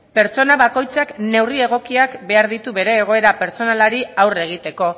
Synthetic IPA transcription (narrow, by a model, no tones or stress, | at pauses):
pe̞ɾt͡so̞naβako̞jt͡sakne̞wrie̞ɣ̞o̞kiakbe̞aɾðit̪uβe̞ɾe̞ːɣ̞o̞e̞ɾape̞ɾt͡so̞nalaɾiawre̞ɣ̞it̪e̞ko̞